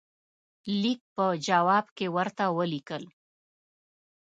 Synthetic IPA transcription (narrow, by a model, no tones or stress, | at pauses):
lik̚pəd͡ʒawɑbkewəɾt̪awəlikəl